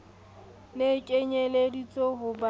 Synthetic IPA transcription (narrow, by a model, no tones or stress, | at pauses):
nekʼeɲeledit͡sʼɔɦʊba